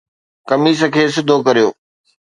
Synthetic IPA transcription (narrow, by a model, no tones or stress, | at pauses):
kɐmiːs̬əkʰeːs̬ɪd̪ʱokɐɾijoː